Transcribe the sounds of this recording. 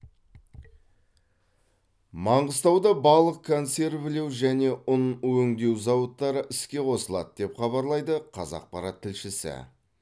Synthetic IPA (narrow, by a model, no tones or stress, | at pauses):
mɑɴʁəst̪ɑwd̪ɑbɑlˠəq̚kʰonse̞ɾbɪle̞wʒæne̞ʊnwɵŋd̪e̞wzɑwət̪ːɑɾəʔɪskʲe̞qʰo̞səlˠɑ̰d̪əd̪e̞pχɑβɑɾlˠɑjd̪əqʰɑ̰zɑ̰q̚pɑɾɑt̪ʰːɪlʃɪsɪ̰